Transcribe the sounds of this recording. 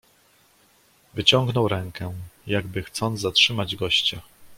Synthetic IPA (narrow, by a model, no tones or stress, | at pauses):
vɘt͡ɕɔŋɡnɔwɾɛŋkɛjaɡbɘxt̪sɔnd̪zatʂɘmad͡ʑɡɔɕt͡ɕa